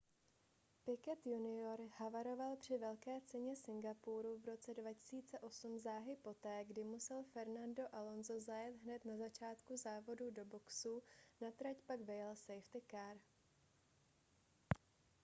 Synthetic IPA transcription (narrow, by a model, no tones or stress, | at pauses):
pɪkɛt̪junɪo̞ɾhavaɾo̞valpr̝̥ɪvɛlkɛːt͡sɛɲɛsɪŋɡapuɾuvɾo̞t͡sɛdvacɪ̥siːt͡sɛʔo̞sumzaːɦɪpo̞t̪ɛːɡdɪmusɛlfɛɾnando̞ʔalo̞nzo̞zajɛt̪ɦnɛt̪nazat͡ʃaːt̪kuzaːvo̞dudo̞bo̞ksunat̪ɾacpaɡvɪjɛlsejft̪ɪkaɾ